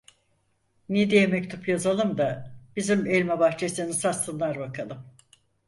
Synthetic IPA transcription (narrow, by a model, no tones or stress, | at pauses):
nid̪ejemɛct̪ʰupjazalˠɯmd̪ab̥izimelʲmɛbaxt͡ʃʰe̞sinisasɯnlˠaɾbakʰalˠɯm